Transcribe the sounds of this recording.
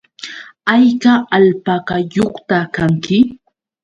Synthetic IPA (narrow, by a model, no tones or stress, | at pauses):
ajkaʔalpaɢɑjoχt̪akaŋkɪ